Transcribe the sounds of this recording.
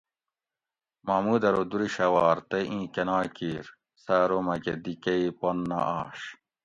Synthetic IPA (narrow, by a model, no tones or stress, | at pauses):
mamuːd̪ɐɾod̪uɾiɕɐwaːɾt̪eʔĩːkɐnaːkiːɾ | saːɾomɐɡed̪ikɐiponːɐ̰ʔaːɕ